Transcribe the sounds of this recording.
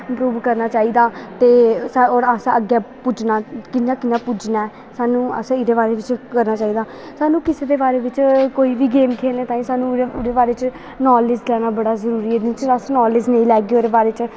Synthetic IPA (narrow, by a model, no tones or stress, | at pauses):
ɪmpɾuːʋkəɾnaːt͡ʃaːiːd̪aːt̪eːsaoːɾaːsãəɡɛːpʊd͡ʒnaːkɪnːãːkɪnːãːpʊd͡ʒnaːɛː | saːnũːə̰sãːɪd̪eːbaːɾeːʋɪt͡ʃkəɾnaːt͡ʃaːiːd̪aː | saːnũːkɪseːd̪eːbaːɾeːʋɪt͡ʃkoːiːʋiːɡeːmkʰeːlneːt̪aːĩːsaːnũːɾeːbaːɾeːt͡ʃ | nɔːleːd͡ʒlɛːnaːbəɽaːzəɾuːɾiːɛd̪t͡ʃasnɔːleːd͡ʒnəĩːlɛːɡeːoːɾeːbaːɾeːt͡ʃ